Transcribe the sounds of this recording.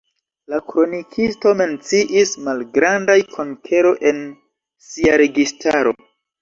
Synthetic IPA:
lakɾo̞nikʰisto̞me̞nt͡siʔismalɡɾandajkʰo̞nkʰeɾo̞ʔe̞n | siaɾe̞ɡistʰaɾo̞

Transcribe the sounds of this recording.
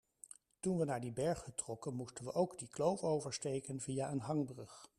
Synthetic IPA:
tunʋənaːɹdibɛɹχətrɔkənmustənʋəʔowɡdiklowfowvəɹstejkənvijaʔənɦɑŋbrɵχ

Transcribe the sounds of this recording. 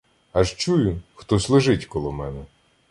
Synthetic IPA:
ɐʒt͡ʃujʊxt̪ɔslˠʊʒɪtʲkɔlˠɔmɛnɛ

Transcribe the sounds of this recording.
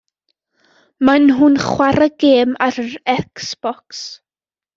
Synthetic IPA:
manɦʊnχwaɾəɡ̥eːmaɾəɾɛksb̥ɔks

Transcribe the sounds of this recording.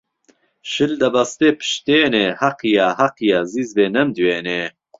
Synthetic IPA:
ʃɨld̪ɐbɐst̪eːpʰɨ̥ʃt̪eːneːhɐqijaːhɐqijaːziːzbeːnɛmd̪weːneː

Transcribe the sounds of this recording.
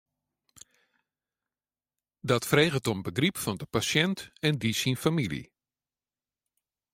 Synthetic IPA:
dɔtfreːɣətɔmbəɡripfɔndəpasjɛntɛndisinfamilḭ

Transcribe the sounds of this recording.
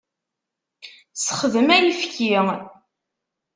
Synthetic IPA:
səχəðəmæjifki

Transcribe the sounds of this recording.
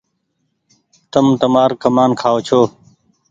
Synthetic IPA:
t̪əmt̪əmaːɾkəmaːnkʰaːoːt͡ʃʰoː

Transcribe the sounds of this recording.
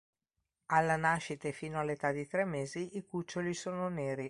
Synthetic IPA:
alːanaʃːit̪efiːnoalːet̪ad̪it̪ɾɛmːeːziikut͡ʃːolisoːnoneːɾi

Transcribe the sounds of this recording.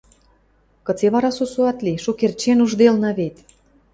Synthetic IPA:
kə̆t͡seβɑɾɑsusuɑt̪liʃukert͡ɕenuʒd̪elnɑβet̪

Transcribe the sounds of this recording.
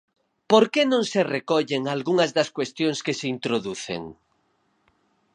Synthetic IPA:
poɾkenõŋserekɔʎeŋalɣuŋɐzðɐskwest̪joŋskeseint̪ɾoðuθḛŋ

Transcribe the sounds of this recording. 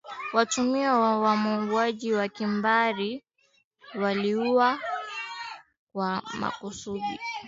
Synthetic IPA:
watumiawawamuɡwaʄiwakimbaɾi | waliuwa | kwama̰kusuɗḭ

